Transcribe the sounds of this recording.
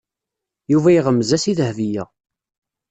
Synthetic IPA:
juvæjʁəmːzæsiðəhvijæ

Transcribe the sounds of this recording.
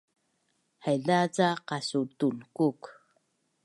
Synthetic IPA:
hajɮat͡saqasutunkuk

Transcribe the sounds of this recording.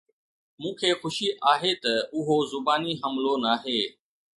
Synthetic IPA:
mũːkʰeːxʊʃiʔaːɦeːt̪ɐʊɦozʊbaːniɦəmloːnaːɦeː

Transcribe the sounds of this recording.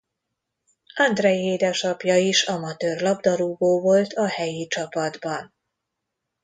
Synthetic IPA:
ɒnd̪rɛjeːd̪ɛʃɒpjɒiʃɒmɒt̪øːrlɒbd̪ɒɾuːboːvo̞lt̪ʰɒhɛjit͡ʃɒpɒd̪bɒn

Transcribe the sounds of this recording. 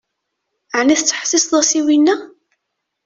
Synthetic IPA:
ʕniθt͡sːħsisðˤɑsiwinːæ

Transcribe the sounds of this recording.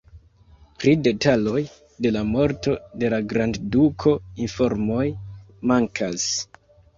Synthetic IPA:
pɾide̞talo̞j | de̞lamo̞ɾto̞de̞laɡɾanddukʰo̞info̞ɾmo̞j | maŋkʰas

